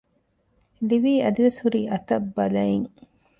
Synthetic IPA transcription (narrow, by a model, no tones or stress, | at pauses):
liʋiːɐd̪iʋeshuɾiʔɐt̪ɐbːɐlɐiŋ